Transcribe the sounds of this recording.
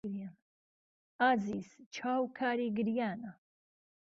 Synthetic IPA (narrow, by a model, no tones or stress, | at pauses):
ɾjan | aːziːzt͡ʃʰaːwkʰaːɾiːɡɨɾjaːna